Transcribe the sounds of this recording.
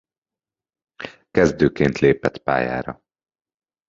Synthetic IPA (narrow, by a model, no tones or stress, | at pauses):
kɛzd̪øːkeːnt̪leːpɛt̪pa̰ːja̰ːɾɒ̰